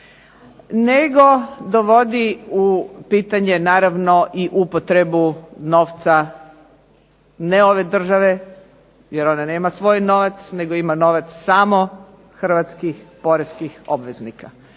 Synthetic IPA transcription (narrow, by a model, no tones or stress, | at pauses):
neɡo̞d̪oʋo̞d̪iupiːt̪aɲe̞naːɾaʋno̞ʔiʔupot̪ɾe̞bunoːʋt̪sa | neo̞ʋe̞d̪r̩ʒaʋe̞ | jeɾo̞nane̞ːmasʋo̞jno̞ʋat̪sne̞ɡoimano̞ʋat̪ssaːmo̞ | xr̩ʋat̪skixpo̞ɾeskixo̞bʋe̞znika